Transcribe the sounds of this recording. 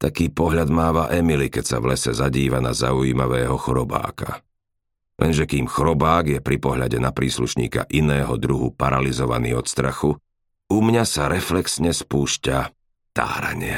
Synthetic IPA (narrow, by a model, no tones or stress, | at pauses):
t̪akiːpɔɦʎad̪maːʋaʔɛmilikɛcsa̰ʋlɛsɛzaɟiːʋanaza̰ujiːmaʋɛːɦɔxɔɾɔba̰ːkʰa̰ | lʔɛ̰nʒɛkiːmxɔɾɔbaːɡjɛpɾipɔɦʎaɟɛnapɾiːsluʃɲḭːka̰ʔinɛːɦɔd̪ɾuɦupaɾalizɔʋa̰nḭːɔt̪st̪ɾaxu | umɲasaɾɛflɛksɲɛspuːʃca | t̪a̰ːɾa̰ɲɪɛ